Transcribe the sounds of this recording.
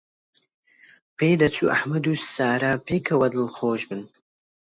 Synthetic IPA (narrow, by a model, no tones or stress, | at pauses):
peːd̪ɐt͡sʰṵːʔa̰ħmɐd̪usaːɾaːpʰeːkʰɐwɐd̪ɨlxoːʒbɨn